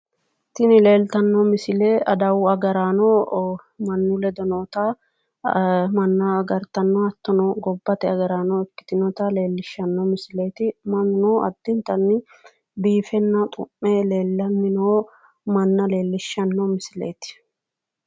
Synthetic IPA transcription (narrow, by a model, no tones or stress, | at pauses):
t̪ɪnɪle̞ːlt̪ɐnːoːmɪsɪleːʔɐd̪ɐwɐɡɐɾaːnoː | mɐnːʊlɛd̪ɔnoːt̪a | mɐnːaːɡɐɾt̪ɐnːoɐt̪ːɐnoːɡɔbːɐt̪ɛɐɡɐɾaːnɔːɛkːɪ̥t̪ɪnɔt̪aːle̞ːlːɪʃːɐnːɔmɪsɪleːt̪ɪmɐnnoːɐ̰d̪̥ːɪnt̪ɐnːɪ | biːfɛnːɐt̪ʼʊ̰mːeːle̞ːlːɐnːɪnoː | mɐnːɐle̞ːlːɪʃːɐnːomɪsɪlḛːt̪ɪ̥